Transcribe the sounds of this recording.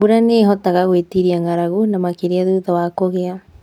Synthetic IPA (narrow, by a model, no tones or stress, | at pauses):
uɾaneɦɔtaɣaɣwetiɾiaŋɡaɾaɣunamakeɾeaðuðawakoɣea